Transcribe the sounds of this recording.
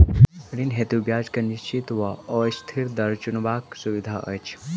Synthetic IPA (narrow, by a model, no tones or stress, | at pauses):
əɽinɦet̪ubjaːd͡ʒkɐniʃt͡ʃit̪ʋɐɔst̪ʰiɾd̪ɐɾt͡ʃunʋaːksuʋid̪ʱaːʔə̰t͡ʃʰ